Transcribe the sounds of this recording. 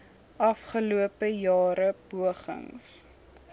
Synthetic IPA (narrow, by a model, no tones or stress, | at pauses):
ʔɐfχəluəpəjɑːɾəb̥uəχə̰ŋs